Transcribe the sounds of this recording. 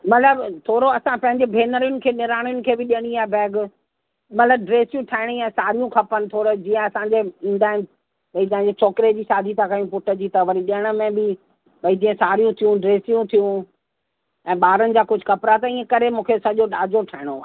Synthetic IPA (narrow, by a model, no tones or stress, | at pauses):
mɐt̪ʰləbt̪ʰoːɾoɐsãpɐ̃ɦɪ̃ɲd͡ʑebʱeːnəɾɪjʊnɪ̆kʰeːnɪɾaːɽ̃ɪjʊnɪ̆kʰeːbɪɗiəɽ̃ĩaːbɛːɡ | mɐt̪ʰləb̚ɖɾeːsijũʈʰaːɪɽ̃ĩɛ̃ːsaːɾijũkʰɐpənɪ̆t̪ʰoːɾd͡ʑiːə̃ɐsãɲd͡ʑeĩːnd̪aːɦɪnɪ̆ | bɐit̪ɐ̃ɦɪ̃ɲd͡ʑet͡ɕɔːkɾed͡ʑiːʃaːd̪ʱit̪ʰãkɐjũpʊʈʰə̆d͡ʑiːt̪ɐʋəɾĩɗiəɽ̃ə̆mẽbɪ | bɐid͡ʑiːə̃saːɾijũt̪ʰijũɖɾeːsijũt̪ʰijũ | ɛ̃ːɓaːɾənɪ̆d͡ʑaːkʊd͡ʑʱʊkɐpɾat̪ɐĩːə̃kɐɾemũːkʰeɐsãʄoɗaːd͡ʑoʈʰaɦɪɽ̃oaː